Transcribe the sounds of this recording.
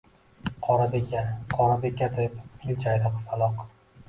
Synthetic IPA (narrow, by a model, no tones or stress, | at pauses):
qʰɒɾad̪ekʲaqʰɒɾad̪ekʲːad̪epɪlt͡ʃʰajd̪ɨqsalˠɒq